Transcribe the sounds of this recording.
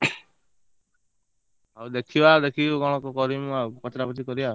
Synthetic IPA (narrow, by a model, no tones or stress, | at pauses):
awd̪ekʰibad̪ekʰiɡɔɽ̃ɔkɔkɔɾimakɔt̪ɾapɔt̪ikɔɾiba